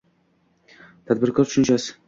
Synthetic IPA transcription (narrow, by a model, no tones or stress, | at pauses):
t̪ʰad̪̚bɪɾkʰɒɾt̪ʰʊ̥ʃɪnt͡ʃʰasɪ̥